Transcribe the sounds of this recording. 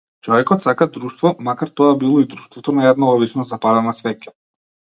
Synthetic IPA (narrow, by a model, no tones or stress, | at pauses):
t͡ʃɔvɛkɔt̪sakad̪ɾuʃt̪vɔmakaɾt̪ɔabilˠɔid̪ɾuʃt̪vɔt̪ɔnaɛd̪naɔβit͡ʃnazapad̪anasvɛcḁ